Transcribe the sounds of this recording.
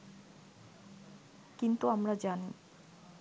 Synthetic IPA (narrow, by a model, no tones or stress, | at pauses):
kint̪uamɾad͡ʑani